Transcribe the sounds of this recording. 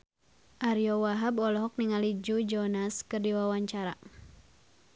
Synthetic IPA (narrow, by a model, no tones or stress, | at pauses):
ʔaɾjɔwaɦabɔlɔɦɔk̚niŋalid͡ʒud͡ʒɔnaskɨrdiwawaɲt͡ʃaɾa̰